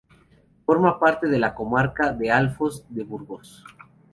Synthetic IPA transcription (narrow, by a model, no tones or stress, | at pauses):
fo̞ɾmapaɾt̪e̞ðe̞lako̞maɾkaðealfozd̪eβuɾɣos